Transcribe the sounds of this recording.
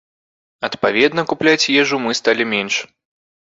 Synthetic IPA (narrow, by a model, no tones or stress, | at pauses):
ɐt̪pavʲɛd̪nɐkuplʲat͡sʲjɛʐumɨst̪alʲimʲɛnʂ